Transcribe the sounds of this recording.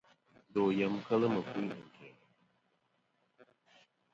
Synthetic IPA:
d̪o˨jə˨mkə˦lə˦mə˨ku˦i˦nə˨ke˨

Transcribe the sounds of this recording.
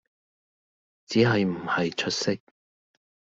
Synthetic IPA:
t͡siː˨˥ɦɐ˨jm̩˨˩hɐ˨jt͡ʃʰɵ˥t̚sɪ˥k̚

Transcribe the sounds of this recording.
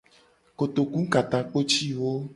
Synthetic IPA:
ko˨t̪o˨kũ˦ka˨t̪ã˨k͡po˦t͡ʃi˦wo˦

